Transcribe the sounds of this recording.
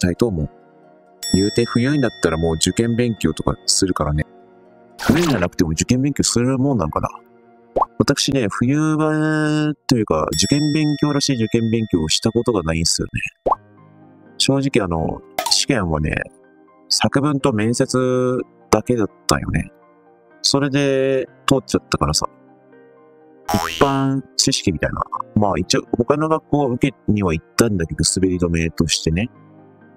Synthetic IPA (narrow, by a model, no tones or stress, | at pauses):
t̪ait̪o̞ːmo | jɯːt̪e̞ɸɯ̟jɯĩnd̪at̪ːaɾamo̞ːd͡ʑɨkẽ̞mbẽ̞ŋkʲo̞̰ːt̪o̞ka̰sɨɾɯ̟kaɾane̞ | ɸɯ̟jɯiɲd͡ʑanakɯ̟t̪e̞mo̞d͡ʑɨkẽ̞mbẽ̞ŋkʲo̞ːsɨɾɯ̟mõnːãŋka̰na̰ | βat̪akɯ̟̥ɕine̞ɸɯ̟jɯːbat̪o̞jɯ̟ːka̰d͡ʑɨkẽ̞mbẽ̞ŋkʲo̞ːɾaɕiːd͡ʑɨkẽ̞mbẽ̞ŋkʲo̞ːɕi̥t̪ako̞t̪o̞ɡanaĩnsɨjo̰nḛ | ɕo̞ːʑikʲiano̞̰ɕi̥kẽ̞ɰ̃βa̰nḛ | sakɯ̟bɯ̟̃nt̪o̞mẽ̞ɰ̃se̞t͡sɨ | d̪̥ake̞d̪at̪ːã̰jo̞̰ne̞̰ | so̞ɾe̞d̪e̞t̪oːt͡ɕat̪ːakaɾasa̰ | ipːãɰ̃t͡ɕiɕi̥kʲimʲit̪aina̰maːit͡ɕioho̞kano̞ɡakːo̞ːɯ̟ke̞ɲ̟iβait̪ːãnd̪akeɡɯ̟sɨbe̞ɾʲid̪o̞me̞ːt̪o̞ɕi̥t̪e̞ne̞